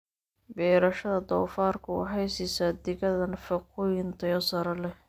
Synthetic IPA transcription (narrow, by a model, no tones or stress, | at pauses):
bɛːɾɐʃɐðɐd̪ɔːfaːrkʰʊwɑ̰ɦɛjsɪsaːd̪ɪɣɐðɐnfɐqʊjɪnt̪ʰɐjɔsɐɾɐlɛ